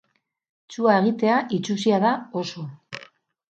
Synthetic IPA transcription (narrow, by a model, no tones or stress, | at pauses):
t͡suae̞ɣ̞it̪e̞aʔit͡ʃusiaðao̞so̞